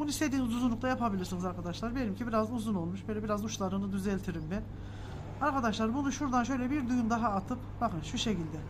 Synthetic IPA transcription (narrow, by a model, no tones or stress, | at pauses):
bunuist̪ʰe̞d̪iːnizuzunˠuk̚t̪ʰajapabilʲiɾsinizaɾkʰad̪aʃlˠaɾbe̞ɾimcʰibiɾazuzuno̞lˠmuʃb̥øjlʲɛbiɾazuʃlˠaɾɯnɯd̪yzɛlʲt̪ʰiɾimbɛn | aɾkʰad̪aʃlˠaɾbunuʃuɾd̪anʃøjlʲɛbiɾd̪ujumd̪aɦaːt̪ʰɯpbakɯnʃuʃe̞cilʲd̪ɛ